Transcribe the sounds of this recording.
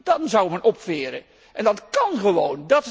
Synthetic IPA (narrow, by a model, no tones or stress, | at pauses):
d̥ɑnzawmɛnʔɔpfɪːɾə̰ | ʔɛndɑtkɑnχəʋowndɑt